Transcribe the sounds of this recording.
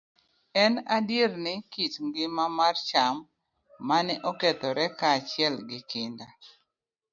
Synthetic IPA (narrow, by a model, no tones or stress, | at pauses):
ɛnadjirnɪkit͡ʃŋɡɪmamart͡ʃamː | anɛʔɔkɛt̪ɔɾɛkaːt͡ʃɪɛlɡɪkɪnda